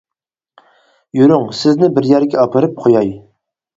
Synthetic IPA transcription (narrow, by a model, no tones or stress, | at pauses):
jyɾyŋsɪznɪbɪɾjæɾɡʲɛɑpʰɨɾɨp̚qʰojɑj